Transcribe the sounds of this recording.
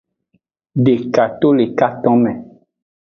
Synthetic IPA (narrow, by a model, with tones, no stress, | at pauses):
ɖe˨ka˨t̪o˦le˨ka˦t̪ɔ̃˦mɛ̃˨